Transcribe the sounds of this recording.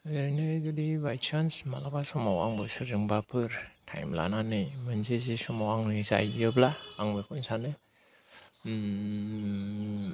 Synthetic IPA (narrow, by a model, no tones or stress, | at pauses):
lɯjnɯɡɯdibajt͡ʃʰansmalakasɔmawa̰ŋbɯsɯɾɯŋbapʰɯɾtʰa̰jmla̰nanɯmɯnsezisɔmawaŋnɯsa̰jjɯblaːŋbekʰɯnsanɯ